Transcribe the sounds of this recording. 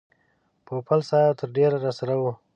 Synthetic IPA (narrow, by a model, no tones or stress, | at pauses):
popalsɑjat̪əɾɖeɾaɾasaɾawu